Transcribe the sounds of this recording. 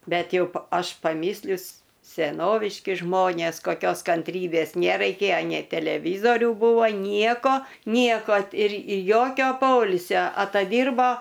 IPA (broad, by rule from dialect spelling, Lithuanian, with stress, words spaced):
ˈbʲɛt ˈjɛʊ pɐ ˈɐʃ pɐˈmʲiːsʲlʲʊs sʲɛˈnoːʋʲɪʃʲkʲɪ ˈʒmoːnʲeːs koːˈkʲoːs kɐnʲˈtʲrʲiːbʲeːs nʲɛrɐɪˈkʲeːjoː nʲɛɪ tʲɛlʲɛˈʋʲiːzoːrʲʊ ˈbuːʋoː ˈnʲiɛkoː ˈnʲiɛkoː ɪr ɪr ˈjoːkʲoː ˈpoːɪlʲsʲoː ɐtɐˈdʲiːrboː